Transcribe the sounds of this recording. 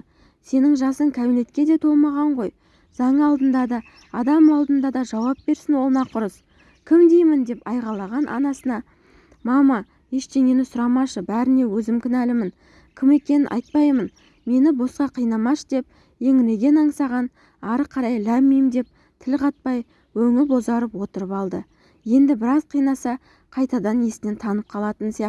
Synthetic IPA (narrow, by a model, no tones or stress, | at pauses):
se̞nɪŋʒɑsəŋkʲʰæbine̞t̪kʲe̞d̪e̞t̪ʰo̞lˠmɑʁɑɴʁo̞j | z̥ɑɴəɑlˠd̪ənd̪ɑd̪ɑ | ɑd̪ɑmɑlˠd̪ənd̪ɑd̪ɑʒɑwɑp̚be̞ɾsɪnwo̞lˠnɑqʰʊɾəs | kʲʰɪmd̪e̞jmɪnd̪e̞pɑjʁɑlˠɑʁɑnʔɑ̰nɑsənɑ | mɑmɑ | je̞ʃt̪e̞ŋe̞nɪsʊɾɑmɑʃəbæɾɪne̞wɵzɪmkʲʰɪnælɪmɪn | kʲʰɪme̞kʲe̞nɪnʔɑ̰jt̪̚pɑjmən | me̞nɪbo̞sqɑqʰijnɑmɑʃə̥d̪e̞p̚ | je̞ŋɪne̞ɡʲe̞nɑɴsɑʁɑn | ɑɾəqʰːɑɾɑjlæɾmijmd̪e̞p̚ | t̪ʰɪlqʰɑt̪̚pɑj | wɵŋɪlbo̞zɑɾəpwo̞t̪əɾəpɑlˠd̪ə | je̞nd̪ɪbɪɾɑzqʰijnɑsɑ | qʰɑjt̪ɑd̪ɑnesɪne̞nt̪ʰɑnəp̚qʰɑlˠɑt̪ənsijɑq̪